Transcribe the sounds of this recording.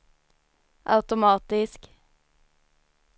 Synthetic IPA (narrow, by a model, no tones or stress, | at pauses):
ʔɑ̰ʉt̪ʊmɑːt̪ɪsk